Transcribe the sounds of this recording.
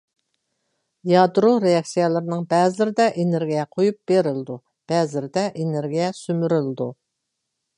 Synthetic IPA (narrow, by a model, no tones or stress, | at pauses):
jɑd̪ɾoɾeɑksijɛlˠɨɾɨnɨŋbɛzlɪɾɪd̪ɛʔeneɾɡʲijɛqʰojup̚b̥eɾɪld̪u | b̥ɛzlɪɾɪd̪ɛʔeneɾɡʲijɛsymyɾɪld̪u